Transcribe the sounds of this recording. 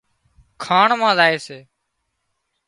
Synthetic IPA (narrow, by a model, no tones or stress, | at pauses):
kʰaːɳmãːlaːeːseː